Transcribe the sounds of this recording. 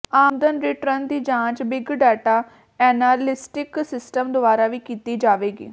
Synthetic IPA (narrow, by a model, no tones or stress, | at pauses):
aːmd̪ənɾɪʈɾənd̪iːd͡ʒãːt͡ʃbɪɡɖɛːʈaː | ɛːnaːɾlɪsʈɪksɪsʈəmd̪ʊaːɾaːʋiːkiːt̪iːd͡ʒaːʋeːɡḭː